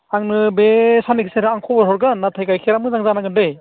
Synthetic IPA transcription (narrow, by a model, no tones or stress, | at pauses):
aŋnɯbesanikʰiseɾɯaŋkʰɔbɔɾɦɔɾɡanːatʰajkajkʰeɾamɯzaŋzanaɡɯndej